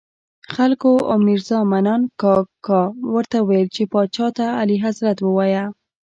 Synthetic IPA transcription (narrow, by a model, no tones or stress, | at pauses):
xalkoʔo̰miɾzɑmanɑnkɑkːɑwəɾt̪awelt͡ʃepɑt͡ʃɑt̪aːliɦazɾat̪wəwɑja